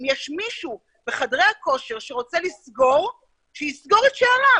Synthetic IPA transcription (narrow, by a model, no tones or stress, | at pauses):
mjɛʃmiʃu | beχadʁejako̞ʃeʁʃeʁo̞t͡se̞lisɡo̞ʁ | ʃejisɡo̞ʁetʃeaʁa